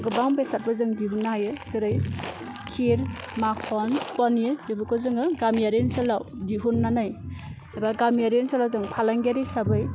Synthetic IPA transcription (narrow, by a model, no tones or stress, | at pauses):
ɡɯbaŋbesat̚bazɯŋdiɦunːaɦajɯzɯɾɯj | kʰiɾmakʰɔnpɔnɯdibɯkʰɔzɯŋɯɡamjaɾensɯlawdiɦunːanaj | abaɡamjaɾensɔlawzɯŋpʰalaŋɡaɾisabɯj